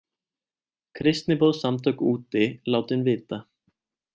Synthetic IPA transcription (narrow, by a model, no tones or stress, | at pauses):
kʰɾɪst̪nɪpoːðsamt̪ʰœkuːt̪ɪlaːwt̪ɪnvɪːt̪a